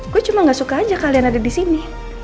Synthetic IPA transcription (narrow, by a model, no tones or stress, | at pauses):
kuɛt͡ʃumaŋɡasukaːd͡ʒakalianadadisini